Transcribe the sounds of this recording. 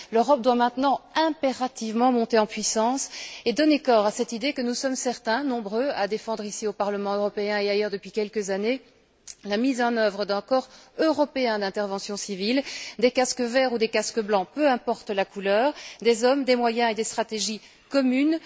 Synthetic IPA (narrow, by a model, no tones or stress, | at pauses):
løʁɔp̚d̪wamɛ̃t̪nɑ̃ɛ̃peʁat̪ivmɑ̃mɔ̃t̪eɑ̃pɥisɑ̃sed̪ɔnekɔʁasɛt̪id̪ekənusɔmsɛʁt̪ɛ̃nɔ̃bʁøad̪efɑ̃d̪ʁisiopaʁləmɑ̃øʁɔpeɛ̃eajœːʁd̪əpɥikʲɛlkəzane | lamizɑ̃nœvʁəd̪ɛ̃kɔʁøʁɔpeɛ̃d̪ɛ̃t̪ɛʁvɑ̃sjɔ̃sivild̪ekaskəvɛʁud̪ekaskəblɑ̃pøɛ̃pɔʁt̪lakulœːʁd̪ezɔmd̪emwajɛ̃ed̪est̪χat̪eʒi | kɔmyn